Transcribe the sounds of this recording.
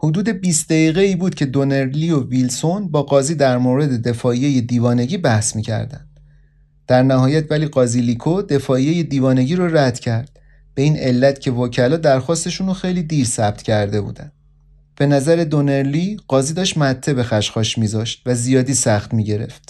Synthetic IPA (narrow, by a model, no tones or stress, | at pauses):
hod̪uːd̪e̞biːst̪̚d̪eɣiːɣe̞iːbuːd̪̥̚cʰe̞d̪o̞neɾliovilsonbɒːɡɒːziːd̪æɾmoːɾe̞d̪e̞d̪e̞fɒːijeje̞d̪iːvɒːne̞ɟiːbæhsmiːcʰæ̰ɾd̪æ̰nd̪̥ | d̪̥æɾnæɦɒːjæt̪ʰvæliːɢɒːzilikʰod̪e̞fɒːijeje̞d̪iːvɒːne̞ɟiːɾoræd̪̥cʰæɾd̪̥ | b̥e̞iːne̞lːæt̪cʰe̞voːcʰælɒːd̪æɾxɒːst̪e̞ʃunoxe̞jliːd̪iɾsæb̚t̪ʰcʰæɾd̪e̞bṵːd̪ænd̥ | b̥e̞næzæɾe̞d̪o̞neɾliːɢ̥ɒːziːd̪ɒːʃt̪mæt̪ʰːe̞be̞xæʃxɒːʃmiːzɒːʃt̪̚væzijɒːd̪iːsæxt̪miːɟe̞ɾe̞̰ft̪